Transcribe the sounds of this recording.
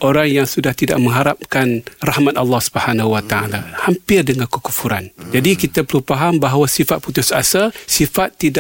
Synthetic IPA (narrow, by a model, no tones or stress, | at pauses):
ʔoɾaŋjaŋsudaht̪ida̰ʔ̚mə̃ŋɦaɾap̚kanrahmat̪̚ɑlːɑhsu̥bəhanaɦuwat̪aa̰lahampɪrdəŋankukufuɾand͡ʒadikit̪apəɾupaɦambaɦawasifat̪̚put̪ʊsasalsifat̪ːida